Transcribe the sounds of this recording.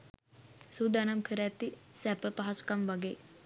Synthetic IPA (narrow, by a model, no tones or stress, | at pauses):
sud̪anamkʰəɾat̪isɛpəpaɦaskamʋaɡe